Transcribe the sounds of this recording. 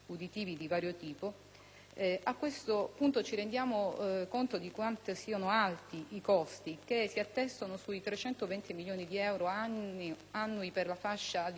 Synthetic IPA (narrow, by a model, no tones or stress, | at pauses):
ud̪it̪iːvid̪ivaːɾjot̪iːpo | akːwest̪opunt̪ot͡ʃiɾend̪jaːmokont̪od̪ikwant̪esiːanoalt̪iʔikɔst̪ikesiat̪ːɛst̪onosuit̪ɾet͡ʃɛnt̪ovɛnt̪imiljoːnid̪iɛwɾoai | anːuiperlafaʃːad̪